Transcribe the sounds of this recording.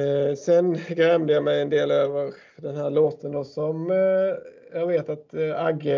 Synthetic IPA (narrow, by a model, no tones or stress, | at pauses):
sɛnɡɾɛmd̪əjamɛjɛnd̪eːløːvəɾ | d̪ɛnhæːɭoːt̪ənd̪ɔsɔm | jɑːɡveːt̪at̪aɡə